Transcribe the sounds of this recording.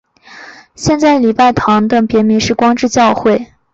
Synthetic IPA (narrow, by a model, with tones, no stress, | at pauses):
ɕjɛ˥˧nt͡sa˥˩ɪli˨˩pa˥˩ɪt̪ʰɑ˧˥ŋd̪ə˧˩pjɛ˧˥mi˧˥ʂɻ̩˥˩kwɑ˥ŋʈ͡ʂɻ̩˥˧t͡ɕjɑ˥˧ʊxwe˥˩ɪ